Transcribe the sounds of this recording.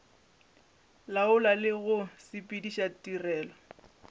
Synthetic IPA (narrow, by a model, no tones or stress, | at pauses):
laʊlalɪɣʊsɪpʼidiʃatʼirɛːlɔ